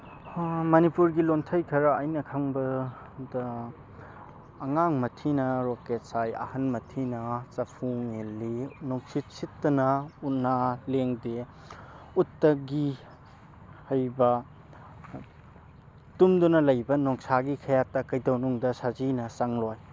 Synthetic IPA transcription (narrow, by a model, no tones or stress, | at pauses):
mɐnipuɾɡilontʰɐjkʰɐɾɐːjnɐkʰɐŋbɐ | dɐ | ŋaŋmɐtʰinɐɾoket̚sajɐ̰hɐnmɐtʰinɐt͡ʃɐpʰuŋelːinɔŋsit̚sitːɐnɐunaleŋde | utːɐɡi | hɐjbɐ | tumdunɐlɐjbɐnɔŋsaɡikʰɐjatːɐkɐjdɐwnuŋdɐsazinɐsɐŋloj